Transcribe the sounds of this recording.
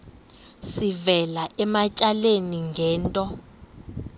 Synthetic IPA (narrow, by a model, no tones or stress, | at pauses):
sivɛlaʔɛmat͡ʃʼaleniŋɡʱɛːntʼɔ